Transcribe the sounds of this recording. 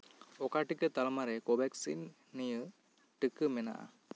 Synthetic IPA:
ɔkaʈikət̪almaɾɛkɔbɛksḭnː | ijə | ʈɯkəmɛna̰ʔa̰

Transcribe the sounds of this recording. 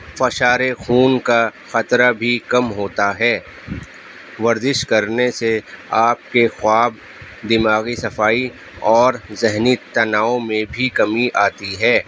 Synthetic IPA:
fɐʃaːɾexuːnkaxɐt̪ɾabʱikɐmɦoːt̪aɦɛː | ʋɐɾzɪʃkɐɾneseaːp̚kexʊaːb | d̪ɪmaːɣisɐfaːi | ɔːɾzɪɦnit̪ɐnaːõmẽbʱikɐmiʔaːt̪iɦɛː

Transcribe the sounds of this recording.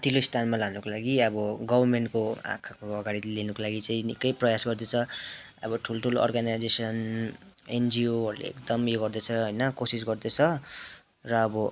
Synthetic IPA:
t̪ʰiloist̪ʰanmalanukolaɡiʌbʌɡʌbʱʌrmeɳʈkoa̰kʰakoʌɡaɽilenukolaɡit͡saĩnikʌjprʌjasɡʌrd̪et͡sʰʌ | ʌ̰bʌʈʰulʈʰuloʌ̰rɡanajd͡zesʌn | end͡zioʌɾlḛḛkd̪ʌmjoɡʌrd̪et͡sʰʌɦʌjnʌkosis̬ɡʌrd̪et͡sʰʌ | rʌːbʌ

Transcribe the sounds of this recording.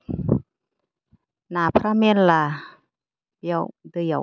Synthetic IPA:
naːpʰɾamenla | biəwd̪ɯə

